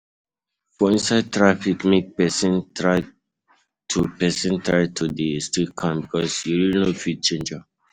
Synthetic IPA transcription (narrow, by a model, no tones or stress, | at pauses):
fɔĩnsaɪd̚tɹafikmek̚pɛsĩntʰɹaɪ | tʰupɛsĩntʰɹaɪtʰudistɹit̚kʰãmbikʰɔsjuɹilnofid̚t͡ʃẽnd͡ʒa